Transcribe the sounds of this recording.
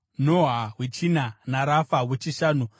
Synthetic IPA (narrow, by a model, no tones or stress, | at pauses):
noɦawet͡ʃinanaɾafawet͡ʃiʃaːnu